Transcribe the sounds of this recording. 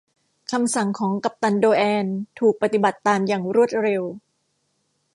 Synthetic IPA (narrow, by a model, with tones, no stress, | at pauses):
kʰa˧msa˨˩ŋkʰɔː˩˦ŋka˨˩p̚t̪a˧ndoː˧ʔɛː˧nt̪ʰuː˨˩k̚pa˧t̪i˨˩ba˨˩t̪ːaː˧mjaː˨˩ŋɾu˥˩ət̪̚ɾe˧w